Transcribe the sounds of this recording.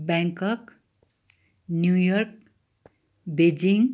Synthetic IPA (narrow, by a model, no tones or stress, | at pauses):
baŋkʌk | njujʌrk̚ | bed͡ziŋ